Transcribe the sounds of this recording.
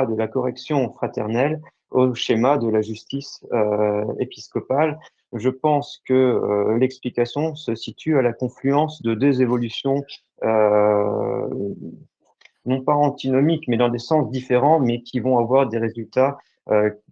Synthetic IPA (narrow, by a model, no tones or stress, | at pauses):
d̪əlakɔʁɛksjɔ̃fχat̪ɛʁnɛl | oʃemad̪əlaʒyst̪isøḛpiskɔpal | ʒəpɑ̃skəø̰lɛksplikasjɔ̃səsit̪yalakɔ̃flyɑ̃sd̪əd̪øzevɔlysjɔ̃ | ø | nɔ̃paɑ̃t̪inɔmikmɛd̪ɑ̃d̪esɑ̃sd̪ifeʁɑ̃mɛkʲʰivɔ̃avwaʁd̪eʁezylt̪a | ø